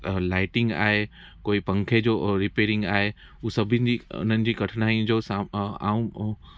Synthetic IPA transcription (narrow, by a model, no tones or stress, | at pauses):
laːɪʈɪ̃ŋɡa̰ːɦe | koːipɐ̃ŋkʰed͡ʑoːɾɪpeːɾɪ̃ŋɡaːɦe | usɐbʱɪnd͡ʑiʊ̰n̤ənɪ̆d͡ʑiːkɐʈʰnaːĩd͡ʑoːsaa̰ːũ